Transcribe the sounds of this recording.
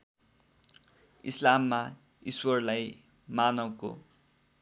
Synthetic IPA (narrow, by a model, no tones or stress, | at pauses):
ḭslamːa | iswʌrlaj | manʌwko̰